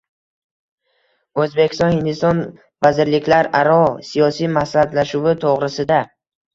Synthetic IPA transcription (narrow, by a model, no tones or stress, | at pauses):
ɵzbekʲʰi̥st̪ɒnhɪnd̪ɪst̪ɒn | vazɪɾlɪkʲʰlaɾaɾɒsijɒsimasad̪laʃuvɪt̪ʰoʁɾɪsɪd̪a